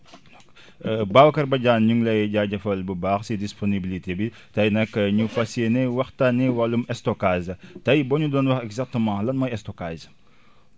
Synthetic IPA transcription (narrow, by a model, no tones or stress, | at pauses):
k | bawkɐrbɐɟaːnɲuŋlɐjɟaɟɐfɐlbəbaːxsidisponibilitebi | tɐjnɐkːɲufɐsenɛwɐxtɐniwɐlumɛstɔkaːzɐtɐjbɔɲudɔːnwɐxɛɡzak̚təmɑ̃ːlɐnmɔjɛstɔkaz